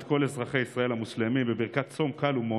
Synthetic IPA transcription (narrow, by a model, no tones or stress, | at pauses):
t̪ko̞lezʁaχe̞jisʁae̞lhamuʃlemimbebiʁkat̪t͡so̞mkalumo